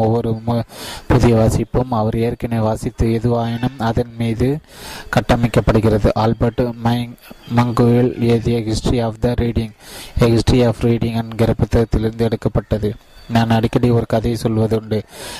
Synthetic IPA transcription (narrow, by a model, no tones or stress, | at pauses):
ɔʋːɔɾɯmpʊðɪjɐʋaːsɪpːɯmɐʋɐɾeːɾkɪnɐʋaːsɪt̪ːɯɛðɯʋaːjɐnɯmɐðɐnmiːðɯkɐʈːɐmɪkːɐpːɐɽɯɣɪrɐðɯʔaːlbɐʈːmmɐŋɡɯɪlɪɐðɪjɐɡɪsʈɾiaːfd̪ɐɾiːɽɪŋɛksʈɾiaːfɾiːɽɪŋɐnɡɪɾɐpːɯt̪ːɐt̪ːɪlɪɾnd̪ɯɛɽɯkːɐpːɐʈːɐðɯ | naːnɐɽɪkːɐɽiɔɾɯkɐðɐɪsɔlːʋɐðɯɳɖɯ